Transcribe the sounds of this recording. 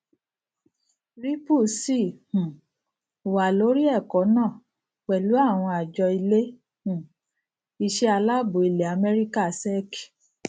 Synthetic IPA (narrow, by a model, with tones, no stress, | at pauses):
ɾi˦pu˦˨si˦˨hũ˨ | wa˨lo˨˦ɾi˦ɛ˦˨kɔ˨˦nãː˦˨ | wɛ˨lu˨˦a˦˨w̃ɔ̃˧a˨d͡ʒɔ˧i˧le˦ | hũ˨ | i˧ʃe˦a˧la˦bo˨˦i˨le˨a˨mɛ˦ɾi˦ka˦˨sɛ˦ki˨